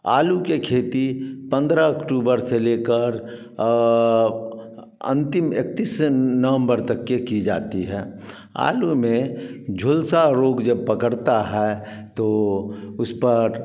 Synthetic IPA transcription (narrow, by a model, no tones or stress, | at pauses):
a̰ːlukekʰeːt̪ipə̃nd̪ɾaəkʈuːbəɾseleːkəɾ | ə̰̃nt̪ɪmek̚t̪isnəʋə̃mbəɾt̪ɐkːekid͡ʒa̰ːt̪iɦɛː | a̰ːlumẽd͡ʒʱʊlsaɾoːɡd͡ʒəb̚pəkəɽt̪aɦɛ | t̪oʊspəɾ